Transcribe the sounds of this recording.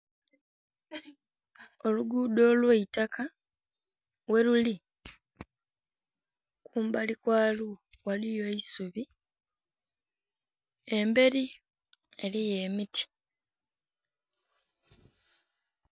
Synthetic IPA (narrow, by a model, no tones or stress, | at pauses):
o̞luɡuːdo̞ːlweitakʰa | we̞luli | kʰuːmbalikwaːluwalijo̞isuβi | embe̞ɾi | e̞lije̞miti̥